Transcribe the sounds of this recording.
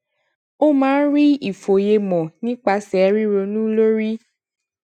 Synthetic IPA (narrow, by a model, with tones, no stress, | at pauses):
o˦mãː˦n̩˦ɾi˦i˨fo˨je˧mɔ̃˨nĩ˦k͡pa˧sɛ˨˦ɾi˦ɾo˧nũ˦lo˦ɾi˦